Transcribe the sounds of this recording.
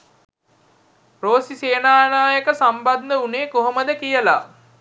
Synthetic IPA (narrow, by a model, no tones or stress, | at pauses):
proːsiseːnaːnaːjəkəsamband̪əuneːkoɦoməd̪əkijəla̰